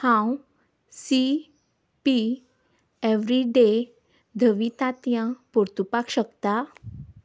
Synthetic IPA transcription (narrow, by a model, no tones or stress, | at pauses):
hãw | si | pi | eʋɾiɖe | d̪ʱəʋit̪at̪jãpuɾt̪upakɕəkt̪a